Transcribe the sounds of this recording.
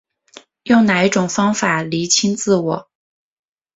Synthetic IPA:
jo˥˩ʊna˨˩i˥˩ʈ͡ʂʊ˨˩ŋfɑ˥ŋfa˨˩li˧˥t͡ɕʰi˥nt͡sɹ̩˥˩wɔ˨˩˦

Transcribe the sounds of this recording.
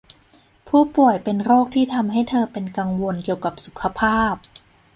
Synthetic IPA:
pʰuː˥˩pu˨˩əjpe˧nɾoː˥˩k̚t̪ʰiː˥˩t̪ʰa˧mɦa˥˩jt̪ʰɤː˧pe˧nka˧ŋwo˧nki˨˩əwka˨˩p̚su˨˩˦kʰa˧pʰaː˥˩p̚

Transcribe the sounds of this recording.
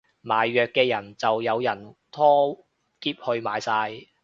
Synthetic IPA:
maː˨˩jːœː˨kːɛː˧jɐ˨˩nt͡sɐ˨wjɐ˨˧wjɐ˨˩nt̪ʰɔː˥ | kiː˧˥p̚hɵ˧ɥmaː˨˧jsaː˧j

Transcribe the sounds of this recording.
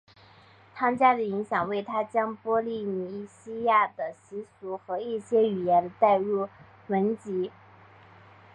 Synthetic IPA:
t͡sʰɑ˥ŋt͡ɕja˥d̪ə˨i˧˥ŋɕjɑ˨˩ŋwe˥˩ɪt̪ʰa˥t͡ɕjɑ˥ŋpwɔ˥li˥˩ni˧˥ɕi˥ja˥˩d̪ə˩ɕi˧˥su˧˥xɤ˧˥i˥˩ɕjɛ˥y˨˩jɛ˧˥nd̪ə˧t̪a˥˧ɪɻu˥˩ | mə˧˥nt͡ɕi˧˥

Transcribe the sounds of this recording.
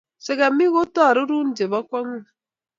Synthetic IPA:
se˨ɡa˨mi˦ɣo˦tɔ˦a˨ɾu˦ɾu˦n̩˦d͡ʒe˨ba˦kʷa˦ŋu˦˨

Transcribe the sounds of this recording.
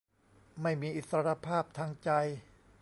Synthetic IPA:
ma˥˩jmiː˧ʔi˨˩t̪sa˧ɾa˧pʰaː˥˩p̚t̪ʰaː˧ŋt͡ɕa˧j

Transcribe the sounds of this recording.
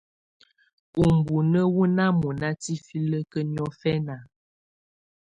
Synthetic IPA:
u˨m˨bu˨nə˦wu˦na˦mu˨na˦ti˦fi˦lə˦kə˦n˦ɔ˦fɛ˦na˨

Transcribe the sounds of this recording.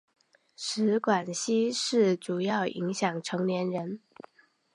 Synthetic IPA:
ʂɻ̩˧˥kwa˨˩nɕi˥ʂɻ̩˥˩ʈ͡ʂu˨˩jɑ˥˩ʊʔḭ˧˥ŋɕjɑ˨˩ŋʈ͡ʂʰɤ˧˥ŋljɛ˧˥nɻə˧˥n

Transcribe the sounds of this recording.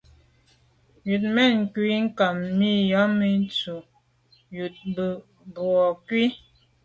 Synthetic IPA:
ju˨t̚mɛ˦˨n˨kwi˨˦ŋ̩˦ka˨mːi˦˨ja˨˦mi˦n˦t͡su˨ | ju˨t̚bə˨ | bwɔ˨kwi˦

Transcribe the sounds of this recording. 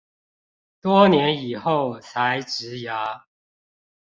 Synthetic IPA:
t̪wɔ˦njɛ˨˦ni˨˩xo˥˨ʊt͡sʰa˨˦ɪʈ͡ʂɻ̩˨˦ja˨˦

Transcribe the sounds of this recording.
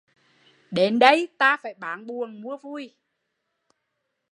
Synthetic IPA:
ɗe˨˦nɗə˧jt̪aː˧faː˧˩jɓaː˨˦nɓu˨˩əŋmu˧˦əvu˧j

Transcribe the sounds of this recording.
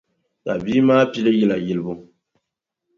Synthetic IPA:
ka˨biː˦maː˦pi˦lɨ˦jɛ˦˨la˨jɪ˦lɨ˦bʊ˦

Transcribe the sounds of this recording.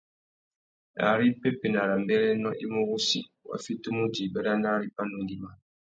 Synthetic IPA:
a̰˨ɾi˦pe˦pe˨na˨ɾa˨m˦bɛ˦ɾɛ˦nɔ˦ʔi˦mu˦ɣu˦sḭ˨wa̰˨fi˦tu˦mu˦d͡ʒi˨bɛ˦ɾa˦na˦ɾi˦pa˦nu˨ŋɡi˦ma˦

